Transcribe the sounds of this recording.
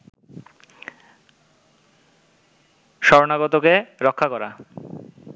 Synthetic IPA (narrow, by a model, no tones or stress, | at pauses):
ʃɔɾonaɡɔt̪okeɾɔkʰːakɔɾa̰